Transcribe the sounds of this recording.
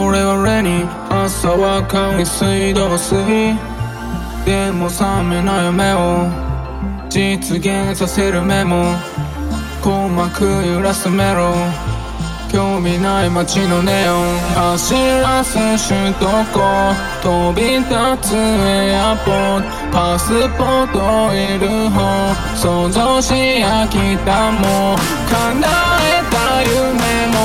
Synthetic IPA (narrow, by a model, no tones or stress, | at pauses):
oɾɛoɾɛɾi | asawakãisɨĩd̪osɨɦi | d̪emõsãmɛnajomɛo | d͡ʒit͡sɨɡẽsaseɾɯmɛmo | komakʰɯjiɾasɨmɛɾo | kjomĩnaimat͡ʃinõneoaɕiɾasɨɕɨt̪oko | t̪obʲit̪at͡sɨejapo | pasɨpot̪oiɾɯɦo | sozoɕijakʲit̪amo | kaŋɡaet̪ajɯmemo